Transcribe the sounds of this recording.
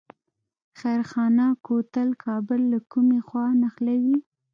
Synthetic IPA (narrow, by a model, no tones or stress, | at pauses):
xajɾxɑnakot̪əlkʰɑbʊlːakumexwɑnaxlawi